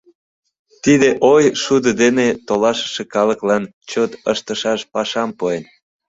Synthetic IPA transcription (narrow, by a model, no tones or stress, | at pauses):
t̪id̪eʔojʃud̪əd̪enet̪olɑʃə̥ʃekɑləklɑn | t͡ɕot̪əʃt̪əʃɑʃpɑʃɑmpoen